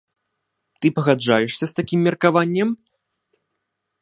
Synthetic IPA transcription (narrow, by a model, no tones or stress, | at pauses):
t̪ɨpɐɣad͡ʐajɛʂsʲɐst̪akʲimːʲɛrkavanʲːɛm